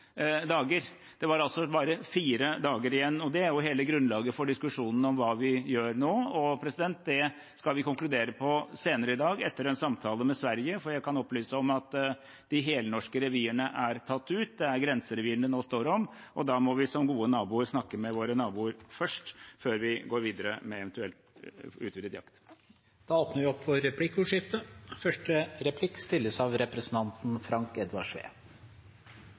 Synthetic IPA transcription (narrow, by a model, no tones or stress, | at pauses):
d̪ɑːɡəɾ | d̪̥ɛʋɑɾɑlsɔbɑːɾəfiːɾəd̪ɑːɡəɾɪjɛnːɔd̪ɛæɾjʊɦeːləɡɾʉnlɑːɡəfɔɖɪskʉʂuːnən̩ɔmʋɑːʋɪjøːɾnoːɔpʰɾɛsɪd̪ɛnt̪̚d̪ɛ | skɑlʋɪkʊŋklʉd̪eːɾəpʰɔseːnəɾəɪd̪ɑːɡɛt̪ːəɾɛnsɑmt̪ʰɑːləmɛsʋæɾjəfɔɾjæɡkʰɑnɔplyːsəɔmɑt̪ | d̪̥ɪɦeːlənɔʂkəɾɛʋiːəɳəʔæɾt̪ʰɑt̪ːʉːt̪̚d̪ɛæɾɡɾɛnsəɾɛʋiːnənoːst̪oːɾɔmʔɔd̪ɑːmɔʋɪsɔmɡuːənɑːbuːəɾsnɑkːəmɛʋoːɾənɑːbuːəɾfœʂʈføːɾʋɪɡoːɾʋiːd̪əɾə̰mɛɛʋɛnt̪ʉɛlt̪ʉːt̪ʋɪd̪əd̪jɑ̰kt̪ | d̪̥ɑoːpnəɾʋɪɔpːʋɔɾɛpʰlɪkːʉːʂɪft̪əfœʂʈəɾɛpʰlɪkːst̪ɪlːəsɑʋɾɛpɾɛsn̩t̪ʰɑnt̪n̩fɾɑŋkɛd̪ʋɑʂʋḛː